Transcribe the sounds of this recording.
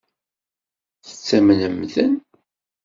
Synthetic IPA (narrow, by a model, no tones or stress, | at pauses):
θə̥t͡sːæmənəmðən